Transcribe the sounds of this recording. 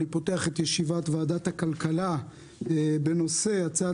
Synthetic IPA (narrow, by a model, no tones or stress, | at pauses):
ipo̞teaχet̪jeʃivatvaːdathakalkala | be̞no̞se̞jat͡sa